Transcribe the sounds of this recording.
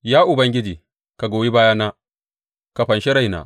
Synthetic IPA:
jaː˦ʔʊ˨bɐ˦ŋɡʲɪ˦d͡ʒiː˨ | ka˨ɡoː˨ji˦baː˦jaː˦naː˦ | ka˨ɸɐ˨nʃe˦ɽa˦˨jna̰˨

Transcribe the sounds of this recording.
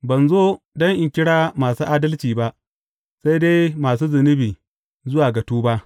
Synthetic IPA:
bɐ˨nzoː˦ | dɔ˦ŋʔɪ˨ŋkʲɪ˦ɽaː˦maː˨suː˦ʔaː˦dɐ˦lt͡ʃiː˨ba˦ʔ | sa˦jde˦jmaː˨s̬uː˦zɐ˨nɪ˦biː˨ | zʊ˦waː˨ɡɐ˨tuː˦ba˦ʔ

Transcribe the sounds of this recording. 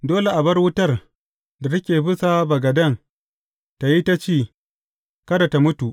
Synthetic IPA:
doː˦le˨ʔa˨bɐ˦rwʊ˦tɐ˦r | da˨tɐ˦kʲeː˨bɪ˦sa˦bɐ˨ɡɐ˨dɐ˦˨ŋ | ta˨ji˦ta˦t͡ʃiː˦˨ | kɐ˦da˨ta˨mʊ˦tu˨ʔ

